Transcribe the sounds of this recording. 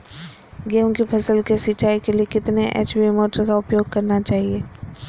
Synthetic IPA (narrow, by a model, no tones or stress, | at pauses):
ɡeːmkipʰɛsəlkesɪt͡ʃaːikeliekɪt̪neʔḛːt͡ʃbimoːʈəɾkaʊpjoːɡ̚kɐɾnat͡ʃaːɦieː